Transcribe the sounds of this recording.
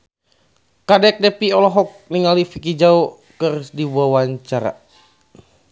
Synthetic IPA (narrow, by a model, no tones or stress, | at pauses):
kadɛk̚dɛpiɔlɔɦɔk̚niŋalifikid͡ʒau | kɨrsdibuawaɲt͡ʃaɾa̰